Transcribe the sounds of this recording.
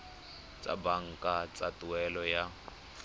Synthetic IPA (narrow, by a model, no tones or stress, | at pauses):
t͡sʼa̰baŋ̩kʼat͡sʼatuɛlɔja